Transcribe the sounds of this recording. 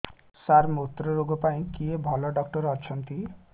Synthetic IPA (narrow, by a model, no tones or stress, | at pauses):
saɾmut̪ɾɔɾoɡɔpaĩkiebʱɔlɔɖɔk̚ʈɔɾɔt͡ʃʰɔnt̪i